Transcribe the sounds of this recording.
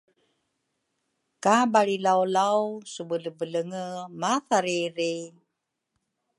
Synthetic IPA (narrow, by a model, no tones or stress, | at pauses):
kabaɭilawlawsubələbələŋəmaθaɾiɾi